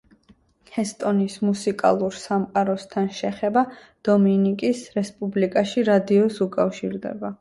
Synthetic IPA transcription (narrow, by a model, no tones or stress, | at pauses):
hɛst̪ʼɔnismusikʼa̰lˠuɾsamqʼaɾɔst̪ʰanʃɛχɛba | d̪̥ɔminikʼisɾɛspʼublikʼaʃiɾad̪iɔsukʼafʃḭɾd̪ɛ̰ba